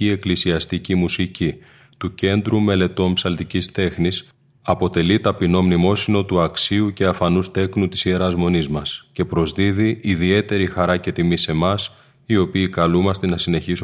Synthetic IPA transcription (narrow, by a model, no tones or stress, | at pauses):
ie̞klisiɐst̪icimusici | t̪uce̞nd̪ɾume̞le̞t̪o̞mpsɐlt̪icist̪e̞xnis | ɐpo̞t̪e̞lit̪ɐpino̞mnimo̞sino̞t̪uɐksiuce̞ɐfɐnust̪e̞knut̪i̥sieɾɐzmo̞nizmɐsce̞pɾo̞zðiðiʔiðie̞t̪e̞ɾixɐɾɐce̞t̪imise̞mɐs | io̞piːkɐlumɐst̪enɐsine̞çisu